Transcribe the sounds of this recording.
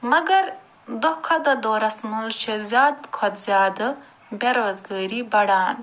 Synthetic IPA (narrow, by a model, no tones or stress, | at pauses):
mɐɡɐɾ | d̪okʰɐd̪ɐd̪oːɾɐsmult͡ʃʰezjaːd̪kʰat̪zʲjɑːd̪ə | beɾwɐzɡəːɾibɐɽaːn